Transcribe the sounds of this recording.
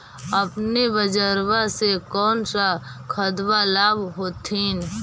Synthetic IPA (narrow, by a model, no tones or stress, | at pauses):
əpnibəd͡ʒəɾwasekɔːnsakʰəd̪ʋalaːbɦoːt̪ʰiːn